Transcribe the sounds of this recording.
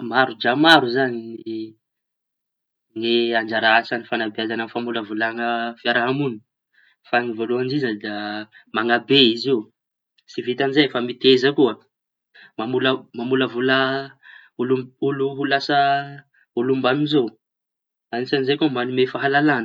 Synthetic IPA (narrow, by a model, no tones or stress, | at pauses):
maɾud͡ʒamaɾuzanini | ŋeaɳd͡ʒaɾaɦasanifanabeazanəfamuləvulaŋəfiaɾaɦamuni̥ | faŋivoluaɳd͡ʒizəd̪a | maŋabeiziw | sivit̪anzefamit̪ezəkuə | mamuləmamuləvula | ulumbuluɦulasə | ulumbamizo | anisanizekumanumefaɦalalanə